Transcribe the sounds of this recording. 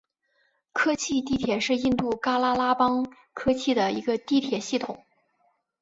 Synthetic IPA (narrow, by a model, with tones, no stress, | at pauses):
kʰɤ˥t͡ɕʰi˥˧t̪̬i˥˩t̪ʰjɛ˨˩ʂɻ̩˥˧i˥˧nt̪u˥˩ka˥la˥la˥pɑ˥ŋ | kʰɤ˥t͡ɕʰi˥˩d̪ə˩ḭ˧˥ɡə˧t̪i˥˩t̪ʰjɛ˨˩ɕi˥˩t̪ʰʊ˨˩˦ŋ